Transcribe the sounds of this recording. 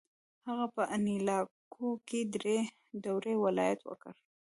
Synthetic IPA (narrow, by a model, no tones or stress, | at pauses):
haɣapəʔanilɑkʰoked̪ɾe | dawɾewɪlɑjat̪wə̰kə̰ɾ